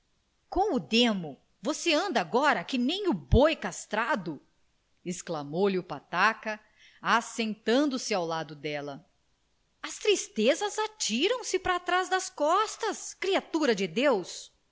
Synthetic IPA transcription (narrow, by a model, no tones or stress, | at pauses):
kõw̃ʊd̪ẽmʊ | voseɐ̃nd̪ɐaɡɔɾɐkɪnẽj̃ʊbojkast̪ɾad̪ʊ | esklamowliʊpat̪akɐ | asẽnt̪ɐ̃nd̪ʊsɪawlad̪ʊd̪ɛlɐ | ɐst̪ɾist̪ezɐzat͡ʃiɾɐ̃w̃sɪpɾaːt̪ɾazd̪ɐskɔst̪ɐskɾiat̪uɾɐd͡ʒɪd̪ews